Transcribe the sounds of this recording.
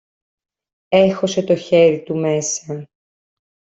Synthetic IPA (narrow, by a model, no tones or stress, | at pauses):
e̞xo̞se̞t̪o̞çe̞ɾit̪umesɐ